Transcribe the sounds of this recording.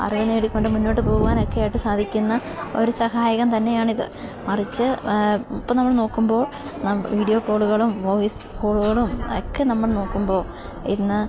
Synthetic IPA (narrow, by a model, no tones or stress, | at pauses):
ɐ̰riʋɐnːeːɽikʲːo̞ɳɖɨmunːo̞ːʈːɨpo̞ːɣuʋaːno̞kːejaːjiʈːɨsaːd̪ʱikʲːunːɐo̞̰ɾusɐhaːjɐɣɐmt̪ɐnːe̞jaːɳiðɨ̰mɐrit͡ɕːɨipːoːnɐmːɐɭno̞ːkːumbo̞ːɭ | nɐʋiːɽijo̞ːkoːɭuɣɐɭumʋoːis | koːɭuɣɐɭumokːenɐmːɐɭno̞ːkːumbo̞ːɭ | inːɨ